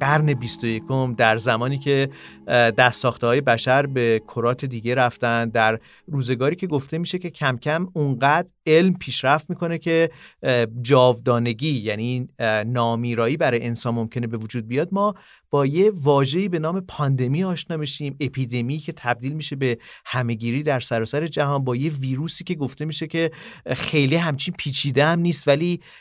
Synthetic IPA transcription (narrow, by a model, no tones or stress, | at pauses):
ɡæɾne̞bist̪o̞je̞kʰo̞md̪æɾzæmɒːniːcʰe̞ | d̪æst̪ːɒːxt̪ehɒːje̞bæʃæɾbe̞kʰoɾɒːt̪ʰe̞d̪iːɟe̞ɾæft̪ænd̪d̪æɾ | ɾuːze̞ɡɒːɾiːcʰe̞ɡo̞ft̪e̞miːʃe̞ce̞cʰæmcʰæmuŋɢæd̪ɾe̞lmpʰiːʃɾæft̪miːkʰo̞ne̞cʰe̞ | d͡ʒɒːvd̪ɒːne̞ɟiːjæninɒːmiːɾɒːiːbæɾɒːjeensɒːnmo̞mcʰe̞ne̞be̞vod͡ʒuːd̪̚bijɒːd̪̚mɒː | b̥ɒːje̞vɒːʒe̞iːbe̞nɒːme̞pʰɒnd̪e̞miɒːʃnɒːmeʃiːme̞pʰiːd̪e̞miːcʰe̞t̪ʰæb̚d̪iːlmiʃe̞be̞hæme̞ɟiːɾiːd̪æɾsæɾɒːsæɾe̞d͡ʒæɦɒːnbɒːjeviːɾuːsiːce̞ɡo̞ft̪e̞miːʃecʰe̞xe̞jliːɦæmt͡ʃʰinpʰiːt͡ʃʰiːd̪eæmniːst̪væliː